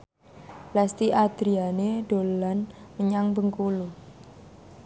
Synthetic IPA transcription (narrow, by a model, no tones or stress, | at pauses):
last̪iʔad̪̥ɾianeɖ̥o̤lanməɲaŋbəŋkulu